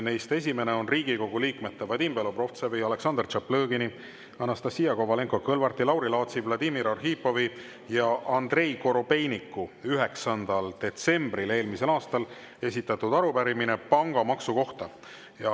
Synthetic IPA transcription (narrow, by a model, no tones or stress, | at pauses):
ne̞jst̪e̞s̬ʲime̞neo̞nriːɡ̥iko̞ɡ̥uliːkme̞t̪ːˑevɑd̪imbelo̞bro̞ft̪seviɑle̞ksɑnd̪rt͡ʃɑplɤːɡini | ɑnɑst̪ɑsijɑko̞vɑle̞ŋko̞kɤlvɑrt̪ilɑwɾilɑːt̪sivlɑd̪imiɾɑrɦiːpːo̞vi | jɑʔɑnd̪re̞jko̞ɾo̞pe̞jnikːuyɦe̞ksɑnd̪̥ɑld̪̥e̞t̪se̞mbrile̞ːlmise̞lɑːst̪ɑl | e̞sit̪ːˑɑt̪ud̪̥ɑɾupæɾimine̞pɑŋɡ̥ɑmɑksuko̞ht̪ɑ | jɑ